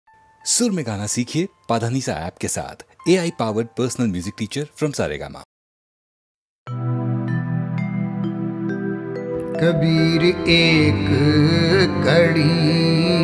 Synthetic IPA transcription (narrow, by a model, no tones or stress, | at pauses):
sʊɾmẽɡaːnasiːkʰiepaːd̪ʱaːniːsa̰ɛ̰ːp̚kesa̰ːt̪ʰeːaːipaːʋəɾɖ̚pəːɾsnəlmjuːzɪk̚ʈiːt͡ʃəɾfɾɐ̃msa̰ːɾḛːɡa̰ːma̰ | kɐbiːɾeːk | kɐɽi